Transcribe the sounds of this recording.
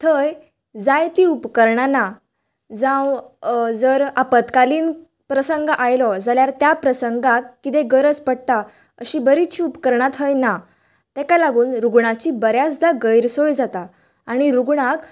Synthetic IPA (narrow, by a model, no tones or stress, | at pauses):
t̪ʰəj | d͡zajt̪iupkəɾɳana | d͡zãwd͡zəɾapət̪kaliːn | pɾəsəŋɡʔajlɔd͡zaljaɾt̪japɾəsəŋɡakːit̪̬ẽɡəɾət͡spəɽt̪a | əɕibəɾit̪ɕiupkəɾɳat̪ʰɦəjna | t̪ɛkalaɡuːnɾuɡɳat͡ɕibəɾjasd̪aɡəjɾsojd͡zat̪a | aɽ̃iɾuɡɳak